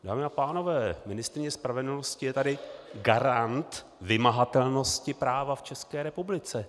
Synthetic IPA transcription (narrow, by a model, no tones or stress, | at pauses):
d̥aːmɪapaːno̞vɛːmɪnɪst̪ɾɪɲɛspɾavɛdl̩noscɪjɛt̪adɪɡaɾant̪ | vɪmaɦat̪ɛlno̞scɪpɾaːvaft͡ʃɛskɛːɾɛpublɪt͡sɛ